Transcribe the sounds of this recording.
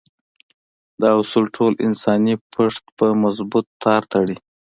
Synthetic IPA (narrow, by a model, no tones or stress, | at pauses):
d̪əusulʈʰolɪ̰nsɑnipʰəʂt̪pəmazbut̪ːɑɾt̪ʰaɽi